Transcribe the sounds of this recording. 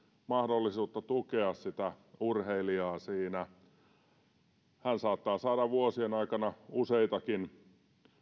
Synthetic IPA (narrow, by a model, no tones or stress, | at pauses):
mɑhdolːisuːt̪ːɑt̪ukeɑssit̪æurheiliɑːsiːnæ | hænsɑːt̪ːɑːsɑːdɑʋuosienɑikɑnɑuseit̪ɑkin